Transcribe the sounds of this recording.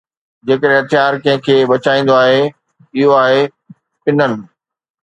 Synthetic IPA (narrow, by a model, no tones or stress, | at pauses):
d͡ʑeːkəɾ̃ɦɐt̪ɪjaːɾkɐ̃ɦɪ̃kʰeːbɐt͡ɕaːĩːn̆d̪oaːɦe | ɪɦoaːɦe | pɪnənɪ̆